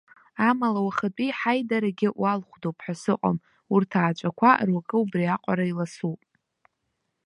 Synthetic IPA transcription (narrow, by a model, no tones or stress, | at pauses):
amalawaχat͡pʼiħajdaɾaɡʲɪʔwalχʷdowpʰħasɨqʷʼa̰m | urtʰaːt͡ʃʷʼakʷʰarwakʼɨubriaqʷʼaɾailasupʼ